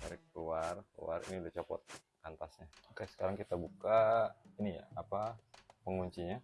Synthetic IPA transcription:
baɾɪk̚luarklṵa̰rḭniudɛt͡ʃɔpɔ̰t̪̚ | kant̪asɲakaksə̥kaɾaŋkit̪abukainija̰apapəŋuɲt͡ʃiɲa

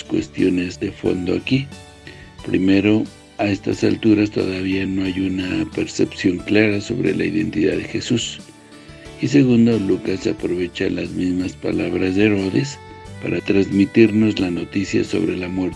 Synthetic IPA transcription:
skwḛst̪jonezðefo̰nd̪oaki | pɾḭmeɾo | aest̪a̰salt̪uɾast̪o̰ðaβianoajunapeɾsepsjo̞ŋklaɾaso̞̰βɾḛla̰iðḛnt̪iðaðexesus | iseɣund̪olukasapɾoβet͡ʃalazmizmaspa̰laβɾazðeeɾoðes | paɾat̪ɾazmit̪iɾnoslanot̪isja̰so̞̰βɾelamweɾ

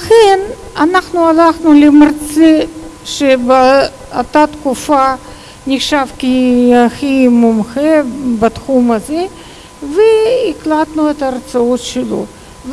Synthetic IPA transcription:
laxen | anaχnualaχnulemart͡seʃebe | at̪at̪kufa | nʲixʃavkiaximumxebɐt̪xumɐze | veiklat̪nuet̪ɐːrt͡sao̞t̪ʃelo̰ | v

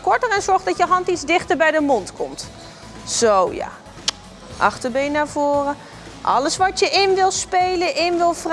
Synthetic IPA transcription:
kɔɹtərɛnzɔɹχdɑtjəɦɑntidzdɪχtəɹbɛjdəmɔntkɔmt | z̥owja̰ː | ʔɑ̰χtəɹbejnaːɹvʊːrə | ʔɑ̰ləsʋɑtjəʔɪnʋɪlˠspejləʔɪnʋɪlˠvr

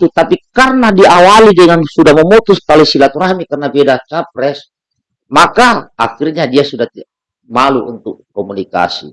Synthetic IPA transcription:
t̪ut̪apikarnadiawalidɛŋansudahməmɔt̪ust̪alɛsilat̪uɾahmikarnabedat͡ʃap̚ɾɛs | makaakirɲadiasudaht̪ | maluʔṵnt̪ukːɔmunika̰sḭ

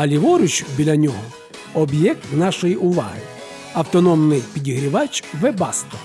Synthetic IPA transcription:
ɐlʲiʋɔɾʲʊt͡ʃbʲilʲɐnʲɔɦɔ | ɔbjɛk̚t̪nɑʃɔjiʔʊʋɑ̰ɦɪ | ɐwt̪ɔnɔmnɪjpʲidʲiɦɾʲiʋɑt͡ʃʋɛbɑst̪ɔ

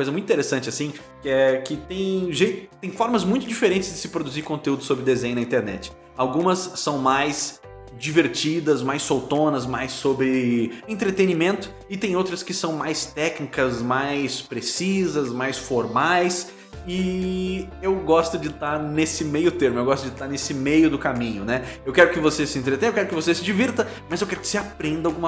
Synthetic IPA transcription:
ɐkojzɐmũt̪ĩt̪eɾesɐ̃nt͡ʃɪasĩ | kɪɛkɪt̪ẽj̃ʒejt̪ʊt̪ẽj̃fɔɾmɐzmũj̃t̪ʊd͡ʒifeɾẽnt͡ʃɪzd͡ʒɪsɪpɾod̪uziɾkõnt̪eud̪ʊsobɾɪd̪ezẽj̃ʊ̃nɐĩt̪eɾnɛ̰t͡ʃɪ̥ | awɡũmɐsːɐ̃w̃majs | d͡ʒiveɾt͡ʃid̪ɐzmajsːowt̪õnɐzmajsːobɾɪẽnt̪ɾet̪enimẽnt̪ʊ̥ | ɪt̪ẽj̃owt̪ɾɐskɪsɐ̃w̃majst̪ɛknikɐzmajspɾesizɐzmajsfoɾmajs | ɪ | ewɡɔst̪ʊd͡ʒɪt̪aɾnesɪmejʊt̪eɾmʊewɡɔst̪ʊd͡ʒɪt̪aɾnesɪmejʊd̪ʊkamĩɲʊnɛewkɛɾʊkɪvosesɪẽnt̪ɾet̪ẽewkɛɾʊkɪvosesɪd͡ʒiviɾt̪ɐ | mɐzewkɛɾʊkɪ̥seapɾẽnd̪ɐawɡũmɐ

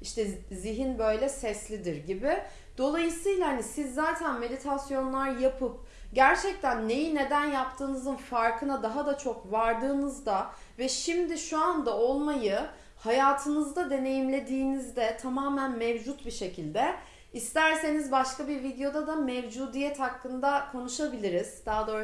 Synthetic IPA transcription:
iʃt̪ʰɛziɦinbø̞jlʲɛsɛslʲid̪iɾɟibɪ | d̪̥o̞lˠajɯsɯjlˠahanisizːaːt̪ʰænme̞d̪it̪ʰasjo̞nlˠaɾjapʰɯp̚ | ɟæɾt͡ʃʰɛc̚t̪ʰænːe̞jine̞d̪ænjapt̪ʰɯːnɯzɯnfaɾkʰɯnad̪aɦad̪at͡ʃʰo̞kvaɾd̪ɯːnɯzd̪a | vɛʃimd̪iʃuand̪ao̞lˠmajɯ | hajaːt̪ʰɯnɯzd̪ad̪e̞ne̞jimlʲe̞d̪iːnizd̪ɛt̪ʰamaːmænmevd͡ʒut̪biʃe̞cʰilʲd̪ɛ | ist̪æɾse̞nizbaʃkabiɾvid̪ejo̞d̪ad̪amɛvd͡ʒuːd̪ijɛt̪hakːɯnd̪akʰo̞nuʃabilʲiɾiz̥d̪̥aɦad̪o

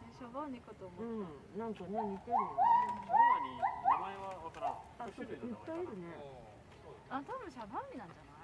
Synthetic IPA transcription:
eɕoboɲikɯt̪oːmoɯ̟̃ɴ | nãŋkaneɲʲit̪eɾɯ̃ | asoɾeʔɯpːaiɾɯ̟ne | at̪abɯ̃ɕanãmːʲinãɲ̟d͡ʑana

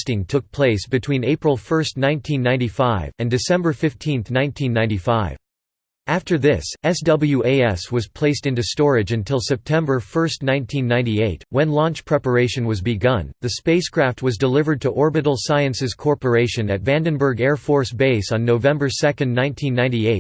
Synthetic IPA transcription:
stɪ̃ŋtʰʊk̚pʰl̥eɪsb̥ɨtʰw̥ĩneɪpɹl̩ˠfɜ˞stnãɪ̃ntʰĩnːãɪ̃nifaɪvɨ̃ndɨsɛ̃mbə˞fɪftʰĩnθnãɪ̃ntʰĩnːãɪ̃nifaɪv | æftə˞ðɪsɛsdʌbl̩ˠjʉʔeɪɛswʌz̥pʰl̥eɪstɪ̃ntʉstɔɹɨd͡ʒɨ̃ntʰɪlˠsɛp̚tʰɛ̃mbə˞fɜ˞stnãɪ̃ntʰĩnːãɪ̃ntieɪt̚wɨ̃nlɑ̃nt͡ʃpʰɹ̥ɛpə˞eɪʃɨ̃nwʌzbɨɡʌ̃nðɨspeɪskʰɹ̥æft̚wʌzdəlɪvə˞d̚tʰɨʔɔɹbɨɾl̩ˠsaɪɨ̃nsɨz̥kʰɔɹpə˞eɪʃɨ̃nɨtvæ̃ndɨ̃nbə˞ɡɛɹfɔɹsb̥eɪsn̩nːoʊvɛ̃mbə˞sɛkɨ̃ndnãɪ̃ntʰĩnːãɪ̃ntieɪt̚

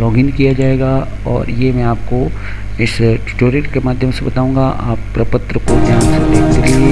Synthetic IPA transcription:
lɔːɡɪnkijad͡ʒaːeːɡa | ɔ̰ːɾjemɛ̃aːp̚ko | ɪsʈːʈoːɾɪʈkemaːd̪ʱjəmsebɐt̪aːũːŋɡaʔa̰ːpːɾɐpət̪ɾəkodʱjaːnsed̪eːkʰd̪ele

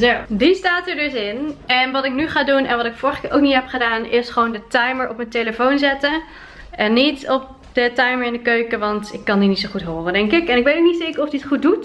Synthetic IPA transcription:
zowdistaːtəɹdɵsɪnɛnʋɑtɪknyχaːdunɛ̰nʋɑtɪkfʊːɹχkɪʔowknitɦɛpχədaːnɪsχəʋowndətajməɹʔɔpməntejləfownzɛtə | ʔɛnːitɔp̚ | d̥ətɛjməɹɪndəkøɥkəʋɑntɪkːɑndinitsoχutɦoːrəndɛŋkɪkɛnɪkʋejtoknitseːkəɹɔfdiətχut̚dut

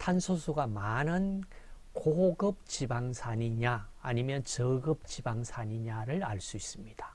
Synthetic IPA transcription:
tʰansʰosʰuɡamanɯnkoɡɯp̚t͡ɕibaŋsʰaɲiɲaːɲimjʌnt͡ɕʌɡɯp̚t͡ɕibaŋsʰaɲiɲaɾɯɾaɭs͈uis͈ɯmɲid̥ḁ

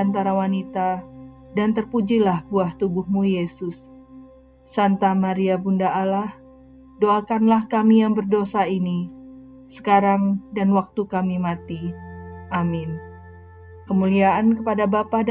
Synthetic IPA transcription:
ant̪aɾawanit̪a | dant̪ərpud͡ʒilahbuaht̪ubʊhmujesʊsː | ant̪amaɾiabundaʔalah | doakanlahkamijaŋbərdosaini | sə̥kaɾaŋdanwak̚t̪ukamimat̪iʔamɪn | kəmuliaʔankəpadabapa

